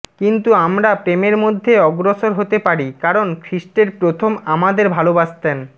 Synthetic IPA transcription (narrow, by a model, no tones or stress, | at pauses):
kint̪uamɾapɾemeɾmod̪ʱːeɔɡɾoʃoɾɦot̪epaɾikaɾonkʰɾisʈeɾpɾot̪ʰomamad̪eɾbʱalobast̪en